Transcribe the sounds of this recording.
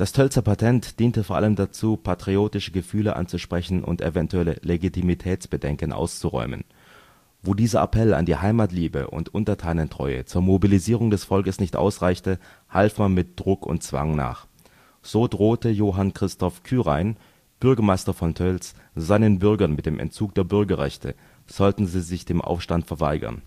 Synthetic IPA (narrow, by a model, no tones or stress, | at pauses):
d̥astʰœlt͡sɐpʰatʰɛntd̥iːntəfoːɐʔa̰ləmdat͡suːpʰatʁ̥ioːtɪʃəɡəfyːləʔa̰nt͡suʃpʁ̥ɛçn̩ʔʊ̰ntḛvɛntuɛləleɡitʰimitʰɛːt͡sb̥ədɛŋkənʔa̰ʊst͡suʁɔ̰ʏmə̰n | voːdiːzɐʔa̰pʰɛla̰ndiːhaɪmaːtliːbə̰ʔʊ̰ntʔʊntɐtʰaːnəntʁ̥ɔ̰ʏə̰t͡suːɐmobiliziːʁ̞ʊŋdɛsfɔlkəsnɪçtʔa̰ʊsʁaɪçtə | halfmanmɪt̚d̥ʁʊkʰʊ̰ntt͡sv̥a̰ŋna̰ːχ | z̥oːdʁoːtəjoːɦankʁ̥ɪstɔfkʰyːʁaɪn | b̥ʏɐɡɐmaɪstɐfɔntʰœls | z̥aɪnənbʏɐɡɐnmɪt̚d̥eːmʔɛ̰nt̚t͡suːk̚d̥eːɐbʏɐɡɐʁɛ̰çtʰə | z̥ɔltn̩ziːzɪçd̥eːmʔa̰ʊfʃtantfɛɐva̰ɪɡɐ̰n